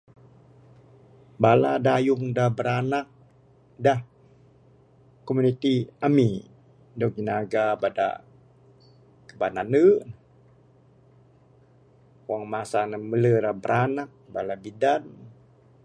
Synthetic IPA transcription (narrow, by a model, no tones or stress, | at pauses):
baladajuŋdahbəɾanak̚ | dah | komunit̪iami | dɔk̚d͡ʒənaɡabada̰ | kəbananə | kwaŋmasanəmələdahbəɾʔanak̚balabidan